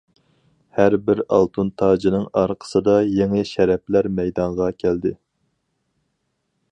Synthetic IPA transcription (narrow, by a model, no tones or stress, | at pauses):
hæɾbɪɾɑ̰lˠt̪ʰunt̪ʰɑːd͡ʒinɨŋɑɾqʰə̥sɨd̪ɑjeŋɪʃɛɾɛplæɾmɛjd̪ɑɴʁɑkʲʰæld̪ɪ